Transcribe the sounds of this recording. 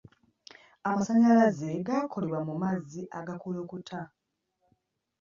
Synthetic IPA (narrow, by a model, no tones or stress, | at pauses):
amasaɲalazeɡakʰo̞le̞βwamumaziʔaɡakuloːkutʰa